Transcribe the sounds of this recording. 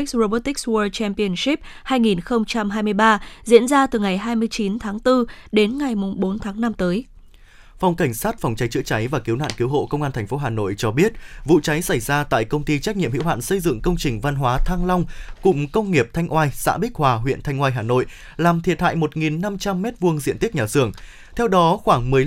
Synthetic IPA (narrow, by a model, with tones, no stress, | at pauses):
k̚sɹo˧ɓo˦˥t̪i˦˥k̚swəː˧t͡ɕɛ˧mpi˧ə˨nsi˦˥p̚haː˧jŋi˨˩nxə˧wŋ͡mt͡ɕa˧mɦaː˧jmɨ˧əjɓaː˧zḭ˧˥ənzaː˧t̪ɨ˨˩ŋa˨˩jɦaː˧jmɨ˧əjt͡ɕi˨˦nt̪ʰaː˨˦ŋt̪ɨ˧ɗe˨˦nŋa˨˩jmʊ˨˩ŋ͡mɓo˨˦nt̪ʰaː˨˦ŋna˧mt̪əː˨˦j | fa˨˩wŋ͡mka˧˩jŋ̟saː˦˥t̚fa˨˩wŋ͡mt͡ɕa˨˦jt͡ɕɨ̰˧˥ət͡ɕa˨˦jvaː˨˩ki˨˦wna̰ː˧˨nki˨˦wɦo̰˧˨kə˧wŋ͡mʔaː˧nt̪ʰɛ˨˩ŋ̟fo˨˦ɦaː˨˩no̰˧˨jt͡ɕɔ˧ɓi˦˥ət̚vṵ˧˨t͡ɕa˨˦jsa˧˩jzaː˧t̪a̰ː˧˨jkə˧wŋ͡mt̪i˧t͡ɕa˦˥k̚ɲḭ˧˨mhḭ˧˥wa̰ː˧˨nsə˧jzɨ̰˧˨ŋkə˧wŋ͡mt͡ɕï˨˩ŋ̟va˧nɦwaː˨˦t̪ʰaː˧ŋla˧wŋ͡mkʊ̰˧˥ŋ͡mkə˧wŋ͡mŋi˨˩əp̚t̪ʰa˧jŋ̟ʔwaː˧jsa̰ː˧˥ɓi˦˥k̚hwaː˨˩ɦwḭ˧˨ənt̪ʰa˧jŋ̟ʔwaː˧jɦaː˨˩no̰˧˨j | laː˨˩mt̪ʰi˨˩ət̚ha̰ː˧˨jmo˨˩t̚ŋi˨˩nːa˧mt͡ɕa˧mːɛ˦˥t̚vu˧əŋzḭ˧˨ənt̪i˦˥k̚ɲaː˨˩z̥ɨ˧˩əŋ | t̪ʰɛ˧wɗɔ˨˦xwaː˧˩ŋmɨ˨˩ə